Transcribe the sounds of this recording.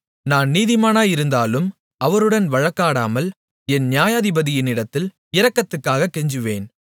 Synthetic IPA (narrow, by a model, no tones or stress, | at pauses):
naːnniːðɪmaːnaːjɪɾɯnd̪aːlɯm | ɐʋɐɾɯɽɐnʋɐɻɐkːaːɽa̰ːmɐl | ɛnnɪjaːjaːðɪbɐðɪjɪnɪɽɐt̪ːɪl | ɪɾɐkːɐt̪ːɯkːaːɣɐkːɛɲd͡ʒɯʋeːn